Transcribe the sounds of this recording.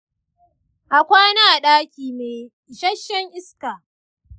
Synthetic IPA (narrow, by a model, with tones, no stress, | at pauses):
ʔa˨kʷaː˦naː˦˨ɗaː˦kʲiː˨meː˨ | ʃɐ˦ʃːɐ˦ŋʔɪ˦skaː˨